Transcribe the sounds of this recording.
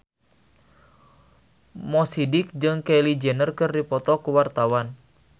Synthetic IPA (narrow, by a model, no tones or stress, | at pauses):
mɔsidik̚d͡ʒɨŋkɛlid͡ʒɛnərkɨrdipɔt̪ɔkuwart̪awan